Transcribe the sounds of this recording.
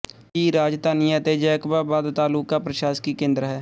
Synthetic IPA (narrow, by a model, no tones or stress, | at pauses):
kiːɾaːd͡ʒt̪aːnɪjaːt̪ed͡ʒɛːkbaːbaːd̪t̪aːluːkːapɾəʃaːskikẽːnd̪ɾɦɛː